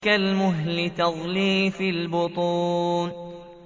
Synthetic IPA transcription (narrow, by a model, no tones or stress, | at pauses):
kalmʊɦlɪt̪ɑðˤliːfɪlbʊt̪ˤuːn